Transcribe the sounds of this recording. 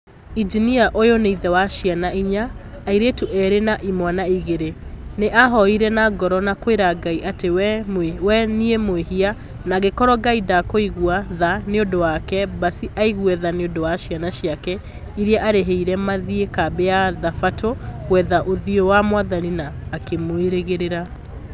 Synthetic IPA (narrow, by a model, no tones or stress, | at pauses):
id͡ʒiniaʔojoneiðɛwaʃianaiɲaːiɾetuʔɛɾenaʔimwanaiɣeɾeneʔaɦɔiɾɛnaɡɔɾɔnakoeɾaɡaiʔatewwɛniemwehia | naɣekɔɾɔɡaidakoiɣuaðaneodowakɛbasiʔaiɣwɛðaneondowaʃjanaʃiakɛ | iɾiaʔaɾeɦeiɾɛmaðiekabeaðafatoɣwɛðaʔoðiɔwamwaðaninaːkemoeɾeɣeɾeɾa